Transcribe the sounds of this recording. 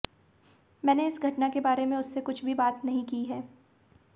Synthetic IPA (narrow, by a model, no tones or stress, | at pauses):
mɛːneɪsɡʱɐʈnakebaːɾemẽʊsːekʊt͡ʃʰbʱibaːt̪nɐɦĩkiɦɛː